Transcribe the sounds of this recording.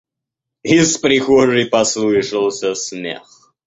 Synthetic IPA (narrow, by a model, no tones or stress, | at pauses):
ɪspɾʲɪxɔʐɨjpɐslˠɨʂɨlˠsʲəsmʲḛx